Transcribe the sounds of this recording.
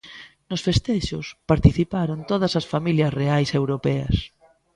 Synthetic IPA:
nʊsfest̪ɛʃʊspaɾt̪iθipaɾʊnt̪oð̞ɐsɐsfamiljɐsreajsewɾopɛɐ̰s

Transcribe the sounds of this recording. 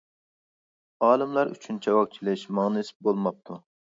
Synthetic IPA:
ɑːlˠɨmlˠɑɾy̰t͡ʃʰynt͡ʃʰɛwɑk̚t͡ʃʰilˠɪʃmɑŋnɨsɪ̥p̚bolˠmɑp̚t̪ʰu

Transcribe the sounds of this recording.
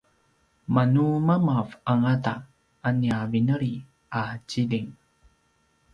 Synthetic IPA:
manumamavaŋata | aniavinəɭi | at͡ɕiliŋ

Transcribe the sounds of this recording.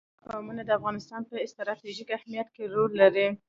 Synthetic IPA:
amunad̪əafɣɑnɪst̪ɑnpəɪst̪ɾɑt̪iʒikahmijat̪keɾolːaɾi

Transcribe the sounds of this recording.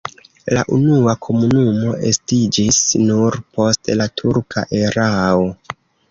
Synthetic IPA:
la̰ʔunuakʰo̞munumo̞ʔe̞stid͡ʒisnuɾpo̞stlatʰuɾkʰa̰ʔe̞ɾao̞

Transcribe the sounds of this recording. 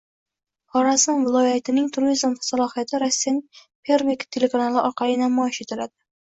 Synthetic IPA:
hɒɾasɪnvɪlˠɒjat̪ʰɪnɪŋt̪ʰʊɾɪzamsalˠɒhijat̪ʰɪɾasːijanɪŋ | pʰeɾvekt̪ʰe̞le̞kʰanalɪʔɒɾqɑlɪnamɒjɪʃet̪ʰɪɾad̪ɪ

